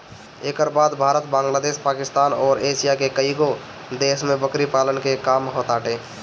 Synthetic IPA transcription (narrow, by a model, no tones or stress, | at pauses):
eːkəɾbaːd̪bʱaːɾət̪̚bãːŋɡlaːd̪eːʃpaːkɪst̪aːnɔːɾeːʃijakekəiɡo | d̪eːʃmẽbəkɾipaːlənkekaːmɦoːt̪aːʈeː